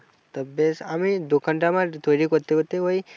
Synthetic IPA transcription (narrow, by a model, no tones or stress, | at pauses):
t̪əbesamid̪okəɳʈamãt̪ʰoɾikot̪ːekot̪eɦoi